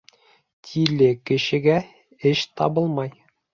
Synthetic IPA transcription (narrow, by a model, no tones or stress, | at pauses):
t̪ʲʰilɘkɘ̆ɕɘ̆ɡæ | ɘɕt̪ɒbɤlˠmɑj